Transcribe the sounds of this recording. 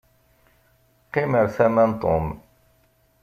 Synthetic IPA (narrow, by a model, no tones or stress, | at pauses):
qiməɾθæmænt̪ˤo̰m